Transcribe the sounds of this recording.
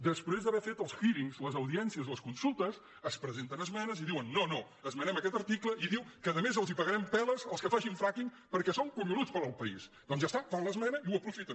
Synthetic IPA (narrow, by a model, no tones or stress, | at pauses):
d̪əspɾezd̪əβɛɾfet̪əlˠsfiɾiŋzləzəwðiɛnsiəzləskunsulˠt̪əs | əspɾəzent̪ənəzmɛnəziðiwənːono | əzmənɛməkɛt̪əɾt̪ikləiðiwkəðəmezəlˠzipəɣəɾɛmpɛləzəlˠskəfaʒiɱfɾakiŋ | pəɾkɛsoŋkuɲulut͡spəɾəlˠpəis | d̪ɔnzʒast̪akãnlˠəzmɛnəiuəpɾufit̪ə